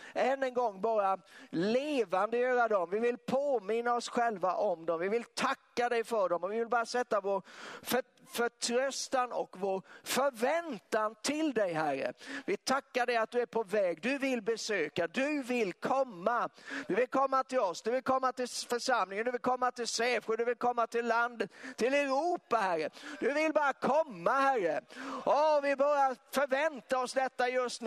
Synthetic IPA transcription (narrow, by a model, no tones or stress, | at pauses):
ɛnːənɡɔŋːbɑːɾaleːvand̪əjøːɾad̪ɔmvɪvɪlpʰoːmɪnːaɔsɧɛlva̰ʔɔmd̪ɔmvɪvɪlt̪ʰakːad̪ɛjfœɖɔmɔvɪvɪlbɑːɾasɛt̪ːavoːɾf | fœʈʰɾœst̪anɔ̰kvoːɾfœɾvɛnt̪ant̪ʰɪld̪ɛjɦærːə̰vɪt̪ʰakːaɖɛjat̪̚d̪ɵæɾpʰɔvɛːɡd̪ɵvɪlbɛsøːkad̪ɵvɪlkʰɔmːad̪ɵvɪlkʰɔmːat̪ʰɪlɔsd̪ɵvɪlkʰɔmːat̪ɪlfœʂamlɪŋənd̪ɵvɪlkʰɔmːat̪ɪlseːfəd̪ɵvɪlkʰɔmːat̪ɪlːand̪əɪlɛɾuːpahæɾːəd̪̥ɵvɪlbɑːɾakʰɔmːahærəʔɔvɪbœɾjafœɾvɛnt̪aɔsd̪ɛt̪ːajɵst̪n